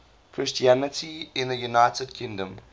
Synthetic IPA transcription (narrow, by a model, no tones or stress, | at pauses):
kʰɹɪst͡ʃiænɪtʰiɪ̃nðəjunaɪtəd̚kʰɪ̃ŋdə̃m